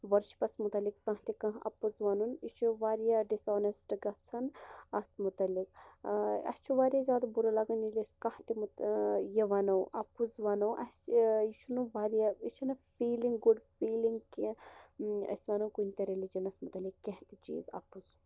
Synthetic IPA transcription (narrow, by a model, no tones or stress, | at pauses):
ʋɐɾʃi̥pɐsmut̪ɐlikzɐ̃ɦt̪ikɐ̃ɦɐ̰puzʋɐnunit͡ʃʰuʋaːɾijaɖisɔːnesʈɡɐt͡sʰɐnɐt̪mut̪ɐlik | ɐ̰st͡ʃʰuʋaːɾijazʲjaːd̪ɐbuɾɐlɐɡɐnileskɐht̪imut̪jɐʋɐnɐwʔɐpːuzʋaːnɐwʔɐsiʃʰunuʋaːɾijait͡ʃʰunɐfiːlĩŋɡɡuɖfiːliŋɡki | ɐ̰sʋɐnɐwkunʲt̪ɐɾelid͡ʒɐnɐsmut̪ɐlikːeɦt̪it͡ʃḭːzɐ̰puz